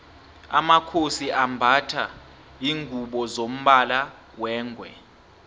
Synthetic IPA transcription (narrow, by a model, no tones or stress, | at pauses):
a̰makʰosiʔambʱatʰa | iːŋʱuɓɔzom̩ɓala | wɛːŋɡʱwɛ